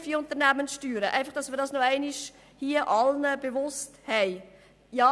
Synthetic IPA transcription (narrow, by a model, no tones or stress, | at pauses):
fiʊnt̪əʁnæmənsʃtyːɾəʔæ̰ɪfɑχd̥ɑsmiːɾdɑːsnoæɪnɪʃ | hiəʔɑlnəbevʊsthɛɪ | jɑ